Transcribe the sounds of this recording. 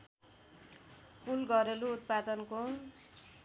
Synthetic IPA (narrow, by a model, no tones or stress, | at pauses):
pulɡʌɾeluːt̪̚pad̪ʌnko